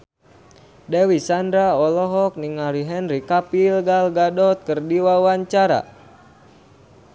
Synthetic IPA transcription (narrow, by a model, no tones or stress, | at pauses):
dɛwisandɾaɔlɔɦɔk̚niŋaɾiɦɛnɾikapilɡalɡadɔt̪̚kɨrdiwawaɲt͡ʃaɾa̰